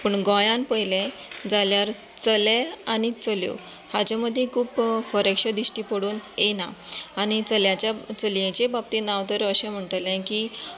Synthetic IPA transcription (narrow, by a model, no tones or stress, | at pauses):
pəɳɡɔ̃jãnpəjlẽd͡zaljaɾ | t͡səlẽañit͡səljo̰ | had͡ʑaməd̪ʱːjẽkʰuːpfəɾekʂəd̪iɕʈipəɽuːnenaañit͡səljat͡ɕat͡səljẽt͡ɕebab̚t̪inaʋt̪əɾəəɕẽm̤əɳʈəlẽki